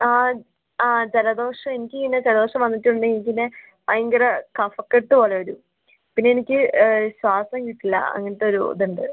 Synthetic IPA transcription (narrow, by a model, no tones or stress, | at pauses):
aː | aːd͡ʑelɐd̪o̞ːʂɐme̞nikʲːɨŋnːɐd͡ʑelɐðo̞ːʂɐmʋɐnːitːiuɳɖɨnikʲːinːe | pɐjɐŋɡɐɾɐkɐfɐkːeʈːɨpo̞ːɭeoɾu | pinːeenikʲːɨɕwaːsɐmkiʈːilːɐ̰ɐ̰ŋːɐniʈ̪ːeoɾud̪uɳɖɨ